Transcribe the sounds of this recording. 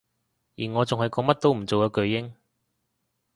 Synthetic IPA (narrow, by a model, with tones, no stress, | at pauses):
jiː˨˩nŋɔː˨˧t͡sʊ˨ŋhɐ˨jkɔː˧˥ŋmɐ˥t̚t̪o˥wm̩˨˩t͡so˨wkɐ˨˧kɵ˧ɥjɪ˥ŋ